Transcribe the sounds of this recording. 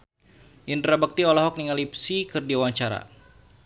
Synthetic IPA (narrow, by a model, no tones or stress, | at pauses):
ʔint̪ɾabak̚t̪iɔlɔɦɔk̚niŋalip̚sikɨrdiawaɲt͡ʃaɾa̰